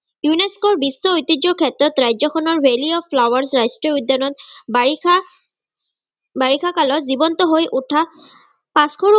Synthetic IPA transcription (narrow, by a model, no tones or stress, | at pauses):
juneskɔɹbisːɔojt̪id͡ʒɔkʰɛtɹɔt̪ɹajzɔkʰɔnɔɹbeliɔpʰlawaɹsɹajstɹiɔud̪ːjanɔt̪̚ba | baɹikʰakalɔzibɔnt̪ɔɦojʔutʰa | paskʰoɹu